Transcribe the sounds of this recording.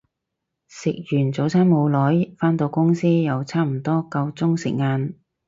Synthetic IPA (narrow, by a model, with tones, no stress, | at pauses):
sɪ˨k̚jyː˨˩nt͡so˨˥wt͡sʰaː˥nmo˨˧wlɔː˨˥jfaː˥nt̪o˧wkʊ˥ŋsiː˥jɐ˨˧wt͡sʰaː˥m̩˨˩t̪ɔː˥kɐ˧wt͡sʊ˥ŋsɪ̰˨k̚ŋaː˨˧n